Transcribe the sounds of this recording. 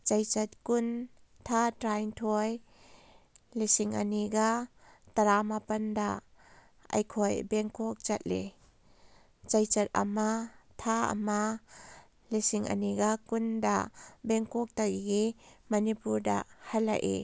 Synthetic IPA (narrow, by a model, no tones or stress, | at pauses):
t͡ʃɐjt͡sɐt̪̚kun | t̪ʰatɾajŋtʰɔj | lisiŋʔɐ̰niɡat̪ɐɾamapɐndaʔ | ɐ̰jkʰɔjbɛŋkɔk̚t͡ʃɐt̪̚le | t͡ʃɐjt͡sɐt̪̚ʔɐ̰mat̪ʰaɐ̰ma | lisiŋʔə̰niɡakunda̰ʔbɛŋkɔk̚t̪ajɡimɐnipuɾda̰ʔhɐla̰ʔḛ